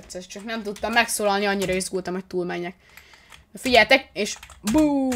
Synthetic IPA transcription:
t̪sɛʃt͡ʃɒknɛmt̪ut̪ːɒmːɛksoːlɒlniɒɲːiɾɒizɡult̪ɒmɦo̞c̚t̪uːlmɛɲːɛk | fiɟɛlt̪ɛkeːʃbu

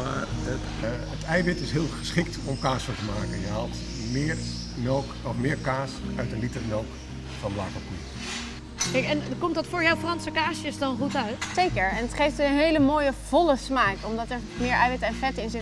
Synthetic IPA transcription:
ma̰ː | ətɛjbɪtɪsɦɪːlˠχə̥sχɪk̚tɔmkaːsowtəmaːkənjəɦɑt | mɪːr | noːk | ɔfmɪːɹkaːsœɥtənlitərnoːk | fɑnblaːkɔpi | ɛɛnkɔmtdɑtfʊːɹjawfrɑnsəkaːsjəsdɔnχutœɥtsejkəɹɛnətχejftənɦejləmoːjəv̥ɔləsmaːkɔmdɑtɛɹmɪːɹɛjbɪtɛnfɛtɪnzɪt

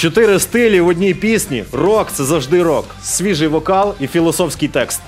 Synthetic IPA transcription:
t͡ʃɔt̪ɪɾɪst̪ɪlʲiwɔdʲnʲijpʲisʲnʲirɔkt̪sɛzɐwʒd̪ɪɾɔk | sʲʋʲiʒɨjʋɔkɑlˠifʲilˠɔsɔfsʲkɨjt̪ɛkst̪

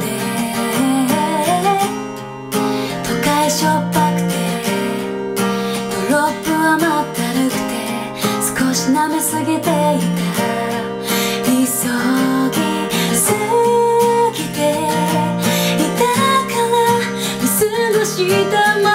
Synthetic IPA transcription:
e | t̪ʰokaiɕopːakɯ̟̥t̪ʰe | oɾopːɯamot̪ːaɾɯkɯ̟̥t̪e | sɨ̥koɕinamesɨɡet̪eit̪a | isoɡʲi | sɨ | ɡʲit̪e | it̪akana | isɨnoɕit̪ama

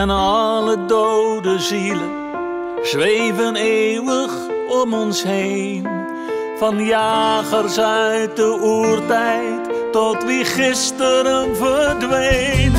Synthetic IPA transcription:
ɛnɑlədowdəzilə | z̥ʋejvəneːwəχ | ɔmɔnsɦej | n | fɑnjaːχərsœɥt̚dəurtɛj | ttɔtʋiχɪstəɾəmvədʋejn

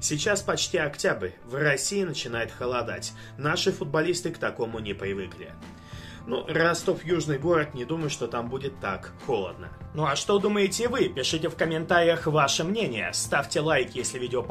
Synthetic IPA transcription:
sʲɪt͡ɕaspɐt͡ɕtʲiɐktʲabɾʲ | vrɐsʲiɪnət͡ɕɪnajʊt̪xəlˠɐd̪a̰tʲ | naʂɨfʊd̪̚bɐlʲist̪ɨkt̪ɐko̞mʊnʲɪpɾʲɪvɨklʲɪ̰ | nurast̪ofjuʐnɨjɡo̞ɾət̪nʲɪd̪uməjʊʂt̪o̞t̪ambudʲɪt̪ːak | xo̞lˠə̰d̪nə̰nuɐʂt̪o̞d̪uməjɪtʲɪvɨpʲɪʂɨtʲɪfkəmʲɪnt̪aɾʲɪjəxvaʂɨmnʲenʲɪjə̰st̪afʲtʲɪlˠajkʲjesʲlʲɪvʲidʲɪop

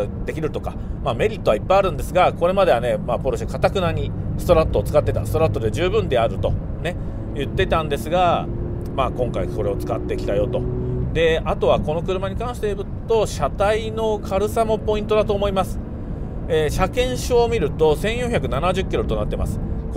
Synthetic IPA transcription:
d̪e̞kʲiɾɯ̟t̪o̞ka | maːme̞ɾʲit̪ːo̞βaipːaiaɾɯ̟̃nd̪e̞sɨɡako̞ɾe̞mad̪e̞ane̞maːpoɾoɕikat̪akɯ̟naɲ̟isɨ̥t̪o̞ɾat̪ːo̞ːt͡sɨ̥kat̪ːe̞t̪a̰sɨ̥t̪o̞ɾat̪ːod̪e̞ʑɨːbɯ̟̃nd̪e̞aɾɯ̟t̪o̞ | ne̞ | jɯ̟t̪ːe̞t̪ãnd̪e̞sɨɡa | maːkõ̞ŋkaiko̞ɾe̞o̞t͡sɨ̥kat̪ːe̞kʲi̥t̪ajo̞t̪o̞d̪e̞at̪o̞βako̞no̞kɯ̟ɾɯ̟maɲ̟ikãɰ̃ɕi̥t̪e̞bɯ̟t̪o̞ɕat̪aino̞kʰaɾɯ̟samo̞po̞ĩnt̪o̞d̪at̪o̞ːmo̞imasɨ̥ | eːɕakẽ̞ɰ̃ɕoːmʲiɾɯ̟t̪o̞sẽ̞ɰ̃jõçʲakɯ̟nanaʑɨkʲːiɾo̞t̪o̞nat̪ːe̞ma̰sɨ̥k

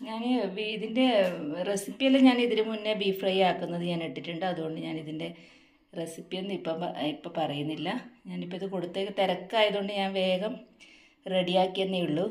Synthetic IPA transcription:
ɲaːniiðinde̞resipːijɐlːeɲaːniðiɾumunːebiːfrɐjaːkːunːɐðɨɲaːne̞ʈːitːuɳɖɨɐðuɣo̞ɳɖɨɲaːniðinde̞ | resipːije̞nːipːomipːoːpɐrɐjunːilːɐɲaːnipːoiðɨko̞ɽut̪ːe̞ːkːɨt̪ɐɾɐkːaːjɐðuɣo̞ɳɖɨɲaːnʋe̞ːɡɐm | re̞ɽijaːkːienːejuɭːu

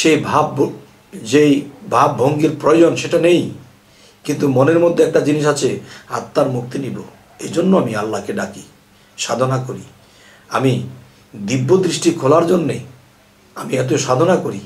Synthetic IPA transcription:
ʃejbʱab | d͡ʑejbʱabːʱoŋɡiɾpɾojod͡ʑonʃeʈanej | kint̪umoneɾmod̪ʱːeɛk̚ʈad͡ʑiniʃat͡ɕʰea̰t̪ːaɾmuk̚t̪inibo | ed͡ʑonːoamialːakeɖaki | ʃad̪ʱonakoɾi | a̰mi | d̪ibːod̪ɾiʃʈikʰolaɾd͡ʑonːe | amiɛt̪̬oʃad̪ʱonakoɾi

